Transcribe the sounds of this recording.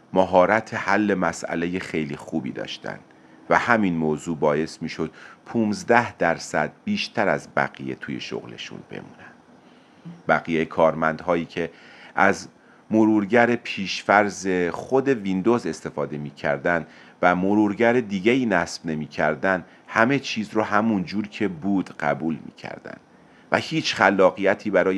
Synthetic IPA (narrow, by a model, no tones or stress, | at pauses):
mæɦɒːɾæt̪ʰehælːe̞mæsæ̰le̞jexejlixuːbḭːd̪ɒ̰ːʃt̪ʰæ̰nd̪̥ | væhæminmoːzuːbɒːje̞smiːʃod̪̥pʰuːnzd̪æhd̪̥æɾsæ̰d̪̥̚biːʃt̪ʰæɾæzbæ̰ɣije̞̰t̪ʰuːje̞̰ʃo̰ɣlḛʃṵnb̥ḛmṵːnænd̪̥ | bæɣijejkʰɒːɾmænd̪̥hɒːjiːcʰe̞ʔæz | moɾuːɾɟæɾepʰiːʃfæɾze̞xo̞d̪e̞vind̪o̞ze̞st̪e̞fɒːd̪e̞miːcʰæ̰ɾd̪ænd̪ | væmoɾuːɾɟæɾed̪iːɟeiːnæsb̥ne̞miːcʰæɾd̪ænd̪ | hæme̞t͡ʃʰiːzrɔhæmund͡ʒuːɾcʰe̞buːd̪ɢæ̰buːlmḭːcʰæ̰ɾd̪̥æ̰nd̪̥ | væ̰hiːt͡ʃʰxælːɒːɣijæt̪ʰiːbæɾɒːj